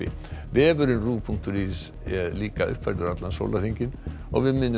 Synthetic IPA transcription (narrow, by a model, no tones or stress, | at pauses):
ɪ̰vɪɛvʏɾʏnruːpʰuŋk̚t̪ʏɾiːs | liːkaʔʏ̰hpʰvaɾt̪ʏɾat̪lanso̰ːwlaɾ̥rhiɲcɪn | ɔ̰ɣvɪðmɪnː